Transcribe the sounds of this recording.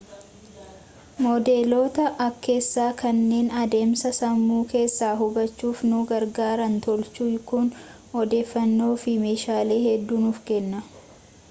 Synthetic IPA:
moːd̪e̞ːlo̞ːt̪ɐʔɐkʰːe̞ːsːaːkɐnːe̞ːnɐd̪e̞ːmsɐsɐmːuːke̞ːsːaːɦʊbɐt͡ʃːuːfnʊɡɐɾɡaːɾɐnt̪ɔlt͡ʃuːkʊn | ɔd̪e̞ːfːɐnːo̞ːfɪme̞ːʃaːle̞ːhɛd̪ːuːnʊfkɛnːɐ

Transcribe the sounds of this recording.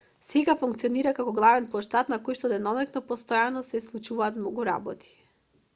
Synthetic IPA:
sɛɡafuŋkt̪sioniɾakakɔɡlˠavɛnplˠɔʃt̪at̪nakojʃt̪ɔd̪ɛnɔlɛknɔpɔst̪ɔjanɔsɛslˠut͡ʃuvaːt̪mnɔɡuɾa̰bɔt̪ʰi̥

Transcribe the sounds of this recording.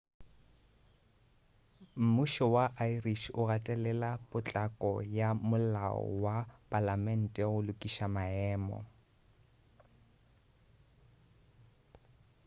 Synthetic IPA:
m̩muʃɔwaʔairiʃʊratʼɛlɛlapʼʊt͡ɬʼakʼɔjamʊla̰ɔ̰wapʼalamɛn̩tʼɛʊlʊkʼiʃamaɛːmɔ̰

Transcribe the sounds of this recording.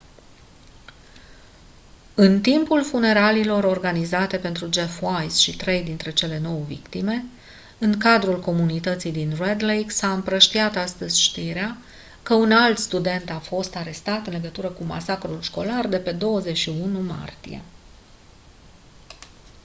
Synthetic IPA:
ɨnt̪impulfune̞ɾalilo̞ɾo̞rɡanizat̪e̞pe̞nt̪ɾud͡ʒe̞fwajsʃit̪ɾe̞jd̪int̪ɾe̞t͡ʃe̞le̞no̞wvḭkt̪ime̞ | ɨŋkad̪ɾulko̞munit̪ət̪sijd̪inred̪lejksaɨmpɾəʃt̪iat̪ast̪əzʲʃt̪iɾea | kəunalt̪st̪ud̪e̞nt̪afo̞st̪aɾe̞st̪at̪ɨnle̞ɡət̪uɾəkuma̰sakɾulʃko̞lard̪e̞pe̞d̪o̞wəze̞t͡ʃʃiunuma̰rt̪ije̞̰

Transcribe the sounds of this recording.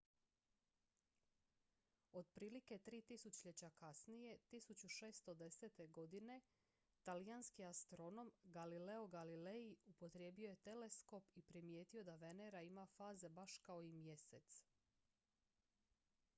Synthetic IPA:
o̞d̪̚pɾiːlike̞t̪ɾiːt̪isut͡ɕʎet͡ɕakasnije̞t̪isut͡ɕuʃe̞ːst̪o̞d̪e̞seːt̪e̞ɡo̞d̪ine̞ | t̪alijanskiast̪ɾo̞no̞mɡalileoɡalile̞iupo̞t̪ɾje̞ːbio̞jet̪e̞le̞sko̞pipɾimje̞ːt̪io̞d̪aʋe̞neɾaimafaːze̞baʃkao̞imje̞se̞t̪s

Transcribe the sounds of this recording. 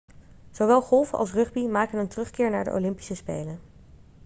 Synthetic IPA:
z̥owʋɛlˠχɔlˠfɑ̰lˠs̬rɵχbimaːkənəntərɵχkɪːɹnaːɹdə̰ʔo̰wlɪmpi̥səspḛjlən

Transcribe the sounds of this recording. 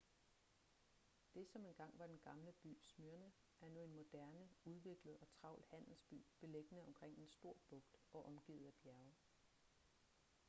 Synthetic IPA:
d̥e̝sɒ̽me̝nɡ̥ɑ̈ŋ̰ʋɑ̈d̥enɡ̥ɑ̈mləb̥y̰ːsmyɐnə | ʔæɐnuenmo̝d̥æɐnəuð̞ˠʋe̝ɡ̥ləð̩ˠɒ̽t͡sʰʁɑ̈ʊ̰l̥hæn̰l̩sb̥y̰ːb̥e̝leɡ̥ənəɒ̽mkʰʁeŋ̰e̝nsd̥o̝ɐ̰b̥ɔ̽ɡ̥d̥ɒ̽ʔɒ̽mɡ̥ḭːð̞̩ˠæb̥jæɐʊ

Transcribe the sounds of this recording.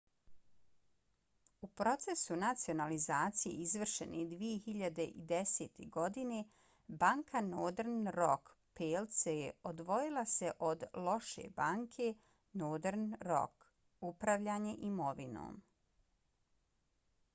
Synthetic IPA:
upɾo̞t̪se̞sunat̪sio̞nalizaːt̪sije̞̰izʋr̩ʃe̞̰nʔḛd̪ʋije̞hiʎad̪e̞ʔḭd̪eseːt̪ʰeɡo̞d̪ine̞ | baːŋkʰanod̪eɾnɾok | pelt̪seo̞d̪ʋo̞jilˠase̞ʔo̞d̪lˠo̞ʃe̞̰baːŋkʰe̞ | noːd̪eɾnɾo̰k | upɾaʋʎaːɲe̞ʔimo̞ʋino̰ːm

